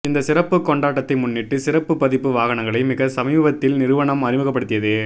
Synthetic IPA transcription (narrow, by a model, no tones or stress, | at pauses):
ɪnd̪ɐsɪɾɐpːɯkːɔɳɖaːʈːɐt̪ːɐɪmʊnːɪʈːɯsɪɾɐpːɯpːɐðɪpːɯʋaːɣɐɳɐŋɡɐɭɐɪmɪɣɐsɐmiːbɐt̪ːɪlnɪɾɯʋɐɳɐmɐɾɪmɯɣɐpːɐɽɯt̪ːɪjɐðɯ